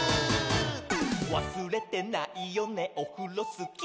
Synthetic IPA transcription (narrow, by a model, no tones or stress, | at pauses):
wasɨɾɛt̪enãʔijɔnɛ̃ʔokulosɨk